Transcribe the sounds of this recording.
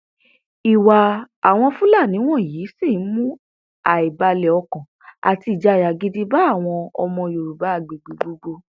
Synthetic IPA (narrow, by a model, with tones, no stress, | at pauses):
i˨wa˨a˨w̃ɔ̃˧fũ˦la˦˨nĩ˨˦w̃ɔ̃˦˨jiː˨˦si˦˨˦mũ˦ | a˨i˨ba˧lɛ˨ɔ˧kɔ̃˨ | a̰˨ti˧i˨d͡ʒa˨˦˨ja˨ɡi˦di˦ba˦˨w̃ɔ̃˧ɔ̰˧mɔ̃˧jo˨ɾu˨ba˨˦a˦˨ɡ͡be˨ɡ͡be˨ɡ͡bo˧ɡ͡bo˧